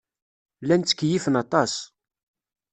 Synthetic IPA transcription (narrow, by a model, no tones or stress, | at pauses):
lːænt͡sːə̥kːjifənɑt̪ˤɑs